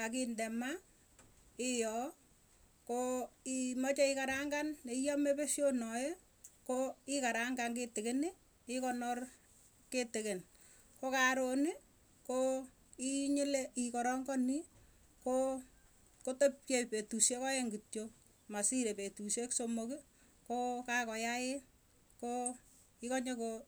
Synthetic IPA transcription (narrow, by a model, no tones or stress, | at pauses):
ak̬indɛma | ɪjɔ | koimɔt͡ʃɛɪkaɾaŋɡanneijɔmepeʃjonɔje | koɪkaɾaŋɡaŋketɪkenɪ | ɪkɔnɔr | ketɪken | kokaɾoni | ko | iɲɪleikɔɾɔŋɡɔni | ko | kotop̚jɔpetusekɔjeŋɡit͡ʃo | masiɾepetusjeksomoki | kokakɔjaɪ | ko | ikɔɲeko